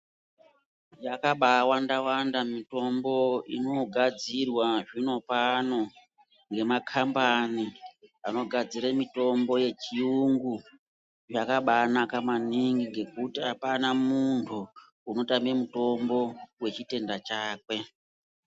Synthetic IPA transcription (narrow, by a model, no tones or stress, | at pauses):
jakaɓawandawandamito̞mbo̞ḭno̞ɡʱad͡zirwaʐino̞pano̞ | ŋɡe̞makʰambaniano̞ɡʱad͡ziramito̞mbo̞je̞t͡ʃiuŋɡu | ʐakaɓaːnakamaniŋɡiŋɡe̞kutiapanamuntʰuː | no̞tamiemuto̞mbo̞we̞t͡ʃite̞ndat͡ʃaːkwe̞